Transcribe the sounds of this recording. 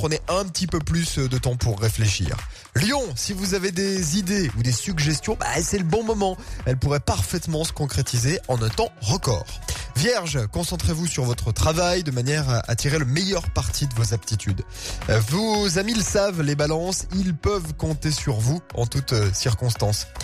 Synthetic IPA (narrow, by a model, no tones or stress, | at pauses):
pχəneʔɛ̃pət̪ipøplysd̪ət̪ɑ̃puʁːefleʃḭːʁ | ljɔ̃sivuzaved̪ezid̪eud̪esyɡʒɛst̪jɔ̃ba̰sɛləbɔ̃mɔmɑ̃ɛlpuʁɛpaʁfɛt̪mɑ̃sə̥kɔ̃kχet̪ʰizeɑ̃nɛ̃t̪ɑ̃ʁəkɔ̰ːʁvjɛʁʒkɔ̃sɑ̃t̪χevusyʁvɔt̪χət̪χavajd̪əmanjɛʁaa̰t̪iʁeləmejœʁpaʁt̪id̪əvozap̚t̪it̪ʰyd̪ | vozamiləsavlebalɑ̃silpœvkɔ̃t̪esyʁvuɑ̰̃t̪ut̪siʁkɔ̃st̪ɑ̃s